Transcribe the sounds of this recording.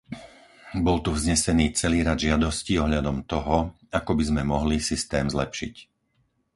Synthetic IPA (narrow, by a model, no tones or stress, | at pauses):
bɔlt̪uvzɲɛsɛniːt͡sɛliːɾad̪ʒɪad̪ɔsciːɔɦʎad̪ɔmt̪ɔɦɔ | akɔbizmɛmɔɦlisist̪ɛːmzlɛpʃḭc